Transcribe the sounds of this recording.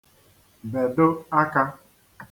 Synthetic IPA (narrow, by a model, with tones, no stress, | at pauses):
be˨dʊ˦a˦ka˦